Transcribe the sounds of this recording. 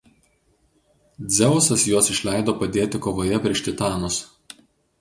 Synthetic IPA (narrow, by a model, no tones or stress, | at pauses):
d̪zʲɛʊsɐsjoɔsɪʃʲlʲæˑɪd̪oːpɐd̪ʲeːt̪ʲɪkoːʋoːjɛpʲɾʲiɛʃʲt̪ʲɪt̪ɑːnos